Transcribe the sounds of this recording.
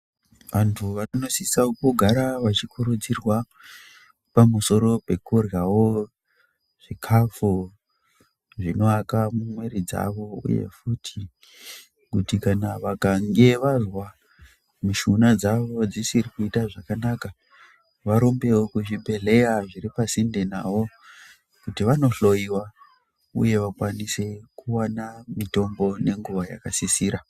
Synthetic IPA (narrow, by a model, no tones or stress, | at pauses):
ʋantʰuʋano̞sisaukuɡʱaɾaʋat͡ʃikuɾud͡zirwa | pamuso̞ɾo̞pe̞kurjawo̞ | ʐ̥ikʰafu | ʐinoakamumwe̞ɾid͡za̰ʋo̞ṵjḛfutʰi | kutikanaʋakaŋɡe̞ʋazwa | muʃunad͡zaʋo̞d͡zisirikuitaʐakanaka | ʋaɾo̞mbe̞okuʐibe̞ɮe̞jaʐiɾipasindenaʋo̞ | kutiʋano̞ɬo̞jiwa | ṵje̞ʋakwanise̞kuwanamito̞mbo̞ne̞ŋɡuʋaja̰kasisiːɾa